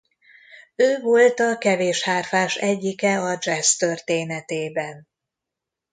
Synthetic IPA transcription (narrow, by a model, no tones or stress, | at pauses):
øːvo̞lt̪ɒkɛveːʃhaːrfaːʃɛɟːikɛɒd͡ʒɛst̪ørt̪eːnɛt̪eːbɛn